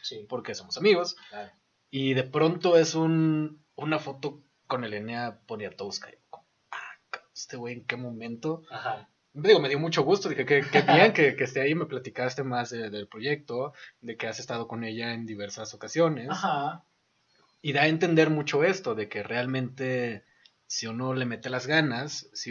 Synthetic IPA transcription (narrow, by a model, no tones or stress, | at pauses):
sipo̞ɾke̞so̞mo̞samiɣo̞sa | iðe̞pɾo̞nt̪o̞e̞sun | unafo̞t̪o̞ | ko̞ne̞leneaponjat̪owska̰jkomo | akaest̪eβwe̞jeŋke̞mõ̞mẽnt̪o̞ha | ðiɣo̞me̞ð̞jo̞mut͡ʃo̞ɣ̞ust̪o̞ðixekekeβiaŋke̞keːst̪e̞aime̞plat̪ikast̪e̞mazðeðe̞lpɾo̞ʝe̞k̚t̪o̞ðe̞ke̞ase̞st̪að̞o̞ko̞ne̞ʝae̞nd̪iβ̞e̞ɾsaso̞kasjo̞ne̞sa | iðae̞nt̪e̞nd̪e̞ɾmut͡ʃo̞e̞st̪o̞ðe̞ke̞re̞almẽ̞nt̪e̞ | siuno̞le̞me̞t̪e̞lazɣanasːi